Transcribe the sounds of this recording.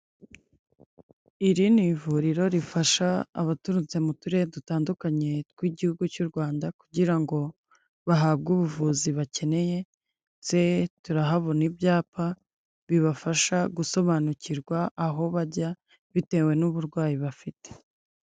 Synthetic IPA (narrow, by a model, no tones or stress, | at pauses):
iɾinivuɾiɾo̞ɾifaʃa̰ːβatuɾut͡semutuɾe̞dutaːndukaɲe̞t̚kwiɟihuɡucuɾɡwaːndaku̥ɟiɾaŋɡo̞ | βaɦaːb̚ɡuβuvuːziβace̞ne̞je̞ | se̞tuɾaɦaβo̞nibjaːpa | βiβafaʃaɡuso̞βanuciɾɡwaʔːɦo̞βaɟa | βite̞ːwe̞nuβuɾɡwaːjiβafite̥